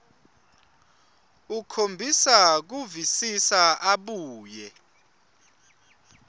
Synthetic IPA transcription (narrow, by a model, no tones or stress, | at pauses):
ukʰombʱisak̬uvisisaʔaɓuːjɛ